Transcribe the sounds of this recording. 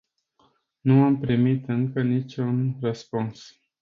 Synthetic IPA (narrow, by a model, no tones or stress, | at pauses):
nuampɾimit̪ɨŋkənit͡ʃʲunrəspuns